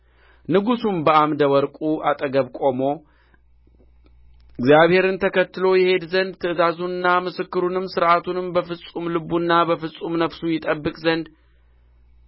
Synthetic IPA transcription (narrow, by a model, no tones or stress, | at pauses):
nɨɡusumbəʔamd̪əwɔɾkʼuʔat̪ʼəɡəβkʼo̞mo̞ | ɪɡzjaβhe̞ɾɨnt̪ʰəkʰət̪ːɨlo̞jɛhe̞d̪zənd̪̚t̪ʰɨʔɨzazuɨnːamɨsɨkːɨɾunɨmsɨɾʔat̪ʰunɨmbəfɨsʼumlɨbunːabəfɨsʼumnəfsujɪt̪ʼəbːɨkʼzənd̪